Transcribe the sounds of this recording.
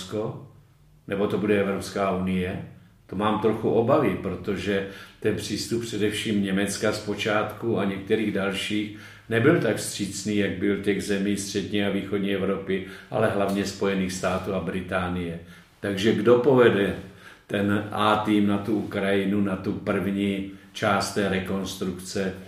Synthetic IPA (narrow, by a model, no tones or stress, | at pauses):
sko | nɛbo̞t̪o̞budɛɛvɾopskaːunɪjɛ | t̪omaːmt̪ɾo̞xuʔobavɪpɾot̪o̞ʒɛt̪ɛnpr̝̥iːst̪uppr̝̥ɛdɛfʃiːmɲɛmɛt͡skaspo̞t͡ʃaːt̪kuaɲɛk̚t̪ɛɾiːɣdalʃiːx | nɛbɪlt̪akfst̪r̝̥iːt͡sniːjaɡ̚bɪlcɛɣzɛmiːst̪r̝̥ɛdɲɛaviːxo̞dɲɛɛvɾo̞pɪʔa̰lɛɦlavɲɛspo̞jɛniːxst̪aːt̪uːabɾɪt̪aːnɪjɛ | t̪aɡʒɛɡdo̞po̞vɛdɛt̪ɛnʔaːt̪iːmnat̪uukɾajɪnunat̪upr̩vɲiːt͡ʃaːst̪ːɛːɾɛko̞nst̪ɾukt͡sɛ